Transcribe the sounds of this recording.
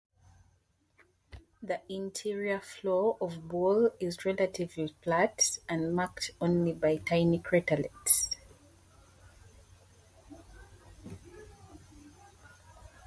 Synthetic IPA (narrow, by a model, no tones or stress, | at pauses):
ðiʔɪ̃ntʰiɹiəflɔʔɔvbɔlɪzɹɛlətʰɪvlipʰlatsə̃nmaktõnlibaɪtʰaɪnikʰɹɛtəlɛ̰ts